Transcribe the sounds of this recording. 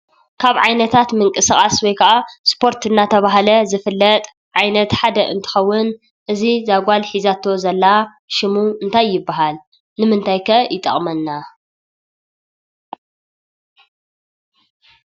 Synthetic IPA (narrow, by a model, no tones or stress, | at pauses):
kʰaβʕajnɐt̪ʰat̪mɨŋkʼɨsɨxʼaswojkʰɐʔaspʰo̞ɾt̪ʰɨnːat̪ʰɐβaɦalɐzɨfɨlːɐt̪ʼ | ʕajnɐt̪ħad̪ɐʔɨ̰nt̪ʰɨ̥xɐwːʊn | ʔɨzizaɡʷalħizat̪ʰːo̞zɐlːa | ʃɪmuɨnt̪ʰajːɪbːaɦal | nɨmɨnt̪ʰajkʰɐjɪt̪ʼɐ̰χʼmɐnːa